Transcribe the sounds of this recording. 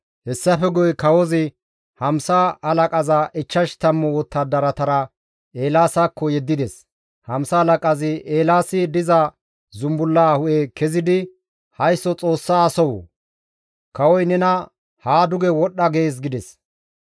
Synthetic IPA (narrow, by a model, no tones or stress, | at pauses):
hɛsːɐfɛɡɔjkɐwɔzɪ | hɐmsɐɐlɐkʼɐzaʔɪt͡ʃːɐʃt̪ɐmːɔwɔt̪ːɐd̪ɐɾɐt̪ɐɾɐ | e̞ːlaːsaːkːɔjɛd̪ːɪd̪ɛs | hɐmsɐːlɐkʼɐzɪʔeːlaːsɪd̪ɪzɐ | zʊmbʊlːahʊʔekɛzɪd̪ɪ | hɐjsːɔt͡sʼo̞ːsːaːsɔwɔ̰ | kɐwɔjnɛnɐ | haːd̪ʊɡɛwɔɗːɐɡe̞ːs̬ɡɪd̪ɛs